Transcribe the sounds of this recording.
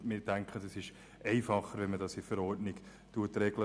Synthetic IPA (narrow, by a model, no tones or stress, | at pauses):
mɪɾtæŋkχədɛsɪʃ | ɛɪfɑχːəɾʋɛnmədɑsifəɾɔɾtnɪɡ̥ | tuətɾɛɡlə